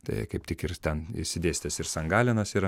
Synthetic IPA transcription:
t̪ɐ̰ɪkɐɪp̚t̪ʲɪkɪɾt̪ʲɛnɪ̰sʲɪd̪ʲeːsʲt̪ʲɛsɪɾsɐŋɡɑːlʲɪnɐsiɾ

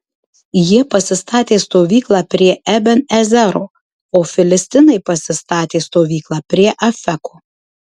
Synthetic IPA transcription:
jiɛpɐsʲɪst̪ɑːt̪ʲeːst̪oːʋʲiːklˠɑːpʲɾʲiɛʔɛbʲɛnɛzʲɛɾoː | oːfʲɪlʲɪsʲt̪ʲɪnɐɪpɐsʲɪst̪ɑːt̪ʲeːst̪oːʋʲiːklˠɑːpʲɾʲiɛʔɐfʲɛkoː

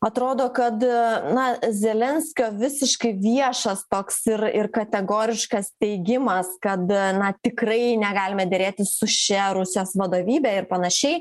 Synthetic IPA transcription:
ɐt̪ɾoːd̪oːkɐt̪nɐzʲɛlʲɛnʲsʲkʲoːʋʲɪsʲɪʃkɐɪʋʲiɛʃɐst̪oːksɪrɪrkɐt̪ʲɛɡoːɾʲɪʃkɐst̪ʲɛɪɡʲɪmɐskɐt̪nɐt̪ʲɪkɾɐɪnʲɛɡɑːlʲɪmʲɛd̪ʲɛɾʲeːt̪ʲɪsʊʃʲɛɾʊsʲɪjoːsʋɐd̪oːʋʲiːbʲɛːɪɾpɐnɐʃʲɛɪ

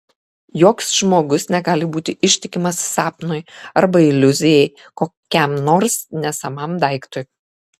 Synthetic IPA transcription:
joːksʒmoːɡʊsnʲɛɡɑːlʲɪbuːt̪ʲɪʔɪʃʲt̪ʲɪkʲɪmɐsːɑːpnʊjɐɾbɐɪlʲʊzʲɪjɛɪ | koːkʲɛmnoːɾsnʲɛsɐmɐmd̪ɐˑɪkt̪oj

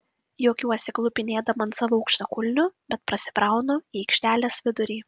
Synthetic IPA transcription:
joːkʲuːɔsʲɪklˠʊpʲɪnʲeːd̪ɐmɐnt̪sɑːʋoʊkʃʲt̪ɐkʊlʲnʲʊb̥ʲɛt̪pɾɐsʲɪ̥pɾɑˑʊnoːiːɛɪkʃʲt̪ʲæːlʲeːsʋʲɪd̪ʊɾʲiː

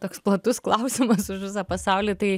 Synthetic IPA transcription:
t̪oːksplˠɐt̪ʊsklˠɐʊsʲɪmɐsʊʃʋʲɪs̬ɑpɐsɑʊlʲit̪ɐɪ

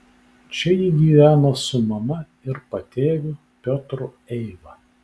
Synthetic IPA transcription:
t͡ʃʲɛjiɡʲiːʋʲæːnɐsʊmɐmɐ | ɪɾpɐt̪ʲeːʋʲʊ | pʲɔt̪ɾʊ | ɛɪʋɐ

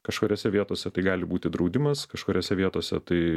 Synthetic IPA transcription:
kɐʃkoːɾʲoːsʲɛʋʲiɛt̪oːsʲɛt̪ɐɪɡɑːlʲɪbuːt̪ʲɪd̪ɾɐʊd̪ʲɪmɐskɐʃkoːɾʲoːsʲɛʋʲiɛt̪oːsʲɛt̪ɐɪ

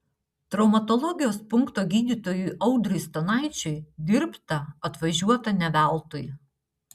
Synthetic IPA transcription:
t̪ɾɒʊmɐt̪ɔlˠɔɡʲɪjoːspʊŋkt̪oːɡʲiːd̪ʲiːˑt̪oːjujʔɐʊd̪ɾʊjst̪onɑˑɪt͡ʃʲʊɪd̪ʲɪɾpt̪ɐɐt̪ʋɐʒʲuɔt̪ɐnʲɛʋʲæˑlˠt̪oj

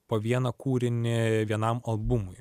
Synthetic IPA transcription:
poːʋʲiɛnɐkuːɾʲɪnʲɪʋʲiɛnɐmɐlˠbʊmʊj

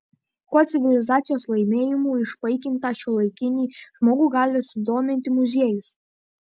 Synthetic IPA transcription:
koːt̪sʲɪʋʲɪlʲɪzɑːt̪sʲɪjoːslˠɐɪmʲeːjɪmuːɪʃpɐɪkʲɪnt̪ɑʃʲʊlˠɐɪkʲɪnʲiːʒmoːɡuːɡɑːlʲɪsʊd̪oːmʲɪnʲt̪ʲɪmʊzʲeɛjʊs

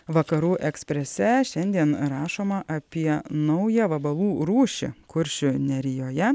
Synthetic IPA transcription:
ʋɐkɐɾuːʔɛksʲpʲɾʲɛsʲɛʃʲɛnʲd̪ʲiɛnɾɑːʃoːmɐʔɐpʲiɛnɐʊjɛʋɐbɐlˠuːɾuːʃʲɪ̰kʊɾʲʃʲʊnʲɛɾʲɪjoːjɛ

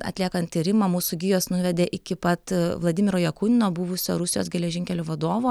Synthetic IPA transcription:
ɐ̰t̪ʲlʲiɛkɐnt̪̚ʲt̪ʲiɾʲɪmɐmuːsʊɡʲɪjoːsnʊʋʲɛd̪ʲeːʔɪkʲɪpɐt̪ʋlˠɐd̪ʲɪːmʲɪɾoːjɛkuːnʲɪnoːbuʋʊsʲo̰ːɾʊsʲɪjo̰ːsɡʲɛlʲɛʒʲɪŋʲkʲɛlʲoːʋɐd̪oːʋoː

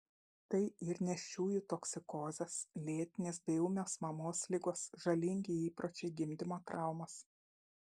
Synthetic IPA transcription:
t̪ɐɪɪɾnʲɛʃʲuːjʊt̪oksʲɪkoːzʲɛslʲeːt̪ʲɪnʲeːsbʲɛʊmʲoːsmɐmoːslʲɪɡoːsʒɐlʲɪŋʲɡʲeiːpɾot͡ʃʲɛɪɡʲɪmʲd̪ʲɪmoːt̪ɾɑˑʊmɐs

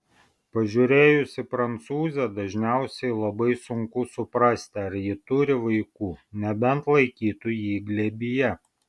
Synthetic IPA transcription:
pɐʒʲuːɾʲeːjʊsʲɪpɾɐnt̪suːzʲɛd̪ɐʒʲnʲæˑʊsʲɛɪlˠɐbɐɪsʊŋkʊsʊpɾɐsʲt̪ʲɪɐɾjɪt̪ʊɾʲɪʋɐɪkuːnʲɛbʲɛnt̪lˠɐɪkʲiːt̪ujiːɡlʲɛbʲɪjɛ

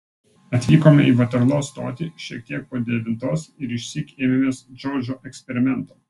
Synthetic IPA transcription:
ɐt̪ʲʋʲiːkoːmʲɛ̰iːʋɐt̪ʲɐɾlˠoːst̪o̰ːt̪ʲiʃʲiɛk̚t̪ʲiɛk̚poːd̪ʲɛʋʲɪnt̪oːsɪɾɪʃʲsʲiːkeːmʲɪmʲeːsd͡ʒɔːd͡ʒʲoːʔɛksʲpʲɛɾʲɪmʲɛnˑt̪oː

